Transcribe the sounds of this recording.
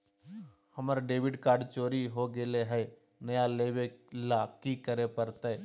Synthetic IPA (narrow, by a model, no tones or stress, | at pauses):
hɐməɾɖeːʋɪɖkaːɾɖt͡ʃoːɾiɦoɡeleɦɛ | nɐjaleːʋelakikəɾepəɾt̪ɛ